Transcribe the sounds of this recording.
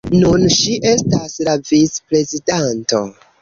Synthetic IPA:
nunʃiʔe̞staslavit͡spɾe̞zidanto̞̰

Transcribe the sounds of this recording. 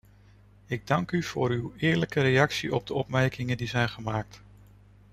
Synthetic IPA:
ɪɡ̚dɑŋkyv̥ʊ̰ːɾywɪːɹləkəɾejɑksiʔɔb̚dəɔpmɛɹkɪŋəndizɛjnχəmaːk̚t

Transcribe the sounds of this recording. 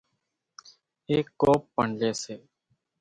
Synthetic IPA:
eːkːoːpːəɳleːseː

